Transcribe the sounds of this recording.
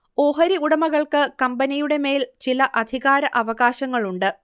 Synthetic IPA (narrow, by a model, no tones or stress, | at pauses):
o̞ːɦɐɾiuɽɐmɐɣɐɭkɨkɐmbɐnijuɽe̞me̞ːlt͡ɕilɐʔɐd̪ʱiɣaːɾɐʔɐʋɐɣaːɕɐŋːɐɭuɳɖɨ